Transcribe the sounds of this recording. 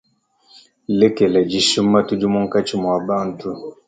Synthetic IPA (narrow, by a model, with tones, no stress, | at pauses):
lɛ˦kɛ˨lɛ˨d͡ʒi˨ʃu˦mːa˦tu˦d͡ʒu˦mu˦ŋ̩˦ka˦t͡ʃi˦m˨a˨ba˦n˨tu˦